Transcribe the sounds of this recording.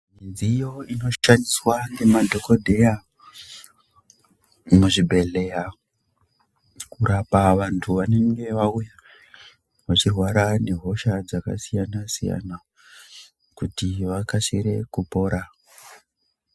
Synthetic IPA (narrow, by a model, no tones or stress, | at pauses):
mind͡ziːjo̞ino̞ʃaniswaŋɡe̞madʱo̞ko̞dʱe̞ja | muʐibʱe̞ɮe̞ja | kurapaʋantʰuʋane̞ŋɡe̞ʋauja | ʋat͡ʃirwaɾane̞ɦo̞ʃad͡zaka̰sijanasija̰na | kutiʋakaseɾe̞kupo̞ːɾa